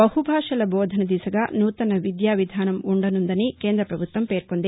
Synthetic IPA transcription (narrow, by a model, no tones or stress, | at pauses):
ɐhubʱaːʂɐlɐboːd̪ʱɐnɐd̪isɐɡɐnuːt̪ɐnɐʋid̪jaːʋid̪ʱaːnɐmuɳɖɐnund̪ɐnikeːnd̪ɾɐpɾɐbʱut̪ʋɐmpeːɾkond̪e